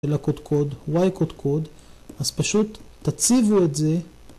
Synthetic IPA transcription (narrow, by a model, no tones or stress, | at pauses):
elakod̪kʰo̞d̪wajkod̪kʰod̪ | azpaʃut̪ː | at͡sivuetze̞